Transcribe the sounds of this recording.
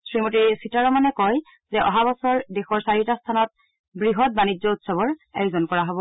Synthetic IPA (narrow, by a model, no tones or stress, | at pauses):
sɹimotiɹsitaɹɔmanɛkɔj | zɛʔɔ̰ɦabɔsɔɹdexɔɹsaɹitastʰanɔt̚ | bɹiɦɔt̚banid͡ʒɔutsɔbɔɹɛjzɔnkɔɹaɦobɔ